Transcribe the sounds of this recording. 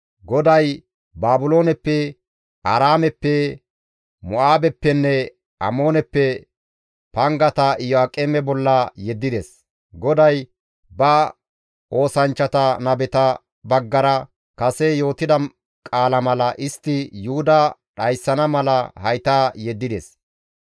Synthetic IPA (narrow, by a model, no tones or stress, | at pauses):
ɡɔd̪ɐj | baːbʊlo̞ːnɛpːɛ | ʔɐɾaːmɛpːɛ | mʊʔaːbɛpːɛnːɛ | ɐ̰mo̞ːnɛpːɛ | pɐŋɡɐt̪ɐɪjɔakʼemɛbɔlːɐjɛd̪ːɪd̪ɛs | ɡɔd̪ɐj | bɐ | ʔo̞ːsɐnt͡ʃːɐt̪ɐnɐbɛt̪ɐ | bɐɡːɐɾɐ | kɐsɛjo̞ːt̪ɪd̪ɐ | kʼaːlɐmɐlɐʔɪst̪ːɪjʊhʊd̪ɐɗɐjsːɐnɐmɐlɐhɐjt̪aːjɛd̪ːɪd̪ɛ̰s